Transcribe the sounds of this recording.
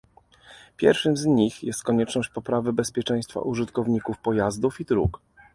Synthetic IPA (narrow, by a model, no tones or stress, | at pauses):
pʲjɛ̰ɾfʂɘmzɲixjɛst̪̚kɔɲɛt͡ʂnɔɕt͡ɕpɔpɾavɘbɛspʲjɛt͡ʂɛ̃j̃st̪fa̰ʔuʐɘt̪kɔvɲikufpɔjazd̪ufid̪ɾṵk